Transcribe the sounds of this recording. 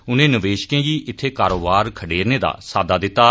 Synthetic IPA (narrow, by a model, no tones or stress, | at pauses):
ʊnẽːnəʋeːʃkẽːɡiːʔɪt̪ʰːeːkaːɾoːbaːɾkʰəɖeːɾnẽːd̪a̰ːsaːd̪aːd̪ɪt̪ːaː